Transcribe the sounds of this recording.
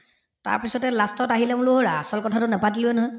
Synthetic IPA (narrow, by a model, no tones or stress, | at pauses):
ta̰ɹpisɔtɛlastɔtaɦilɛmʊluɦoɹaa̰sɔlkɔtʰatʊnɛpatilɛnɔɦɔj